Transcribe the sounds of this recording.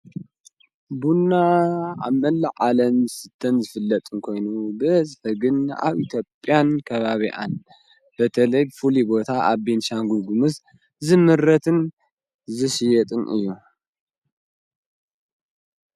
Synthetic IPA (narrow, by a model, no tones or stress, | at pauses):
bunːaa̰βmɐlːɐʕalɐmsɨt̪ʰːɐnzɨfɨlːɐt̪ʼɨnkʰo̞jnubɨzħɐɡɨna̰βit̪ʰjo̞pʼːjankʰɐβaβiʔa̰n | bɐt̪ʰɐlɐjbɨfulibo̞t̪ʰaʔaβbinʃaŋɡuɡumɨs | zɨmɨɾːɐt̪ʰɨn | zɨʃijɛt̪ʼɨnʔɨ̰jːu